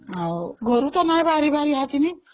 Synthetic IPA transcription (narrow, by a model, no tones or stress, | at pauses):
ɡʱʌɾut̪ʌnajbaɾibaɾiɦat̪ini